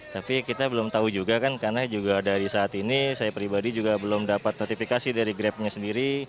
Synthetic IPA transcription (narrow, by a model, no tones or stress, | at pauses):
t̪apikit̪abəlʊmt̪aud͡ʒuɡakankarnad͡ʒuɡadaɾisaːt̪inisajapɾibadid͡ʒuɡabəlʊmdapat̪̚not̪ifikasidaɾiɡɾɛp̚ɲasəndiɾi